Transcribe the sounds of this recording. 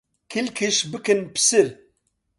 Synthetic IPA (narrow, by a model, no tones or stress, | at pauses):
kʰɨlkʰɨʃbɨkɨnpʰɨ̥sɨɾ